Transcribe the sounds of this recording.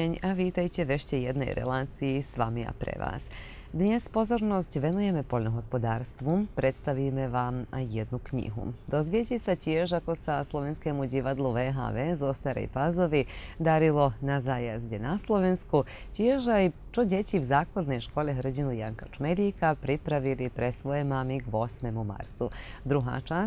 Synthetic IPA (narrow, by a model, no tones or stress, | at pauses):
eɲaʋiːt̪ajt͡ɕeʋe̞ʃt͡ɕejed̪no̰jɾḛlaːt̪sijisʋamia̰pɾḛʋa̰ːs | d̪ɲespo̞zo̞ɾno̞stʋe̞nuje̞me̞polnoɡo̞spo̞d̪aːɾst̪ʋupɾʔe̞t̪st̪aʋimeʋamjed̪nukɲḭɦṵd̪o̞zʋijetesatjeʒako̞saslˠo̞ʋenskemud͡ʑiʋad̪lˠuʋeːɦa̰ːʋeːzost̪aɾḛjpazo̞ʋid̪aɾilo̞nazajazdenaslˠoʋenskut͡ɕjeʒai | t͡ʃoɟʲet͡ɕiwzaːklad̪nejʃko̞ːleɦrd͡ʑinujaŋkat͡ʂmed̪ikapɾipɾaʋilipɾesʋo̞jemamiɡo̞smemuma̰ɾt̪sud̪ɾuɦa̰ːt͡ʃaː